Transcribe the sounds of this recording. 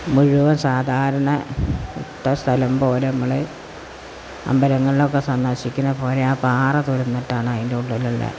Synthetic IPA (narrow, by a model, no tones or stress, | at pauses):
muɻuʋɐsaːd̪ʱaːɾɐɳɐut̪ːɐst̪ʰɐlɐmpo̞ːlenɐmːɐɭe | ɐ̰mbɐɾɐŋːɐɭilo̞kːesɐnd̪ɐɕikʲːunːɐpo̞ːleaːpaːrɐt̪uɾunːɐʈːaːɳajindeuɳɖɐlːɐɭːɐ̰